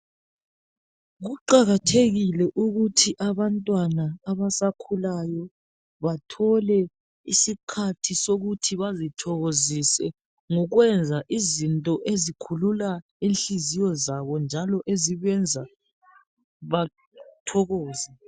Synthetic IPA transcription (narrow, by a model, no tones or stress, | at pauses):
ɣuǃaɣatʰeɣilɛʔuɣutʰiʔaβantʼwanaːβasakʰulajɔ | βatʰɔlɛ | isikʰatʰisoɣutʰiβazitʰɔɣozisɛ | ŋɔɣwɛnd͡zʱaʔizintʼɔʔezikʰulula | inɬizijɔzaβɔnd͡ʒʱalɔʔeziβɛnd͡zʱa | βa | tʰɔɣɔːzɛ